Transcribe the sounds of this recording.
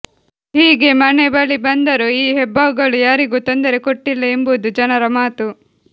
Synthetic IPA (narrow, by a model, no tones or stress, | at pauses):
hiːɡe̞mɐnebɐɭibɐnd̪ɐɾuiːɦɛbʱːɐːʋuɡɐɭujaːɾiɡuːt̪ond̪ɐɾe̞koʈːilːɐe̞mbud̪ud͡ʒɐnɐɾɐmaːt̪u